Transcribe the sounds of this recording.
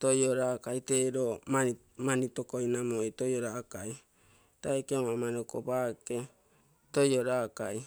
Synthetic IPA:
tojoɾakajteɾomai | manitokojnamojtojoɾakaj | tajkeomamanoko̰bake̞ | tojoɾakaj

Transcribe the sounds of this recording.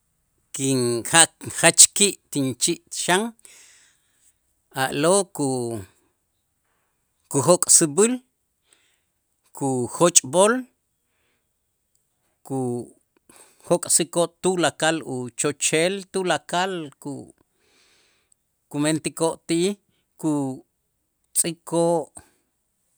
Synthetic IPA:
kiŋhaʔχat͡ʃkiʔt̪int͡ʃiʔt̪ʃaŋ | aʔloku | kuxokʼsibil | kʰuxot͡ʃʼbol | ku | hokʼsikoʔt̪ulakalut͡ʃot͡ʃelt̪ulakalku | kument̪ikoʔt̪iʔi | ku | t͡sʼikʰoʔ

